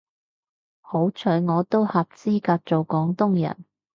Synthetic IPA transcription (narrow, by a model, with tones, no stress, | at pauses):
ho˨˥wt͡ʃʰɵ˨˥ɥŋɔː˨˧t̪o˥whɐ˨p̚t͡siː˥kaː˧t̚t͡so˨wkɔː˨˥ŋt̪ʊ˥ŋjɐ̰˨˩n